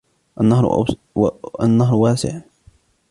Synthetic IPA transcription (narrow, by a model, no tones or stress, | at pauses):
ʔanːahɾ̰ | anːaɦɾˤwaːsɪ̰ʕ